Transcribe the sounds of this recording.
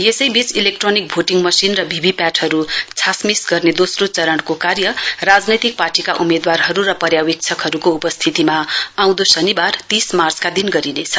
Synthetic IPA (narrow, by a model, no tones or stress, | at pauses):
jesʌjbit͡silek̚ʈronik̚bʱoʈiŋɡmʌsinrʌbʱibʱipaʈʰhʌɾut͡sʰasmisɡʌrned̪osrot͡sʌɾʌɳkokarjʌrad͡znʌt̪ik̚parʈikaʔumed̪warɦʌɾuɾʌpʌɾjawik̚t͡sʰʌkɦʌɾukoupʌst̪ʰit̪imaaw̃d̪osʌnibart̪ismart͡skad̪inɡʌɾinet͡sʰʌ̥